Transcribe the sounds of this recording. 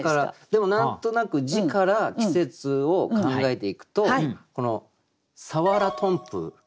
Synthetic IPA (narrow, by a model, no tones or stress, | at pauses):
kaɾad̪̥e̞mo̞nãnt̪o̞nakɯ̟d͡ʑikaɾakʲi̥se̞t͡sɨo̞kkãŋɡaet̪e̞ikɯ̟̥t̪o̞ko̞no̞ | saβaɾat̪ʰõ̞mpɯ̰